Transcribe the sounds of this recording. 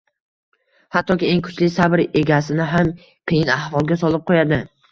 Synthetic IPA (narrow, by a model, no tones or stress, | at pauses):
hat̪ːɒkʲie̞ŋkʰʊ̥t͡ʃlɪsabɪɾe̞ɡʲasɪnɪɦam | pʰejɪnahvɒlˠɡʲasɒlˠɪp̚qʰojad̪ɪ